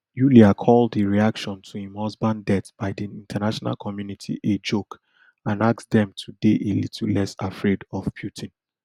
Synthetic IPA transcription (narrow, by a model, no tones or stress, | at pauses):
juliakʰɔldeɹiakʃɔ̃ntʰuhĩmhɔzbãndɛtb̥aɪdiĩntʰanaʃɔna̰lkʰɔmjunitʰḭʔed͡ʒok | ãnaksdɛ̃mtʰudeʔelitʰl̩ˠlɛsafɹedɔvpʰjutʰĩn